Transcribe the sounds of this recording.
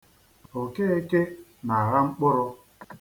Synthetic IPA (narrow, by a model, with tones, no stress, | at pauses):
o˨ke˦e˦ke˦na˨a˨ɣa˦ŋ͡m̩˦k͡pʊ˦ɾʊ˦